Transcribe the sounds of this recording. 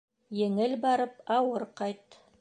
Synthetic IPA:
jɘ̆ŋɘlbɑɾɤpɑwɤɾqɑjt̪

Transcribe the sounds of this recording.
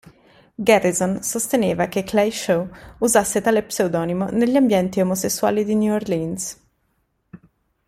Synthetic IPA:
ɡɛrːizonsost̪eneːvakeklejʃowuzasːet̪aːlepsewd̪ɔːnimoneʎːiambjɛnt̪iomosesːua̰ːlid̪injurlins

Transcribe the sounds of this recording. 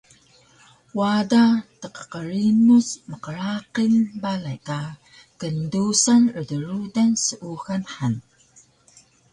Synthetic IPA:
wadatəqə̥qəɾinusməqəɾaqinbalajka | kəndusanədəɾudansəʔuxanħan

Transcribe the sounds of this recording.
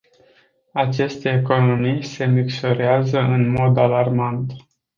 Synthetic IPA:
at͡ʃe̞st̪e̞ːko̞no̞mijse̞miksoɾeazəʔɨnmo̞d̪alarmant̪

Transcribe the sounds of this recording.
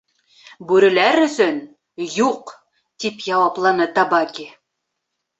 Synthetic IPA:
bʉɾɘ̆læɾɵ̆sɵn | juq | t̪ipjɑwɑplˠɑnɤt̪ɑbɑkʲi

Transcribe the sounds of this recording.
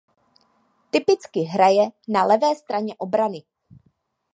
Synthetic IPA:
t̪ɪpɪt͡skɪɦɾajɛnalɛvɛːst̪ɾaɲɛʔo̞bɾanɪ

